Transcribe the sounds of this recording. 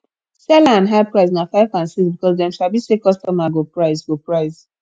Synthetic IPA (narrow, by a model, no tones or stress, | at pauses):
sɛlaãnɦaɪpɹaɪznafaɪfãnsisbikɔzdɛ̃mʃalbisekɔstɔmaɡopɹaɪsɡopɹaɪz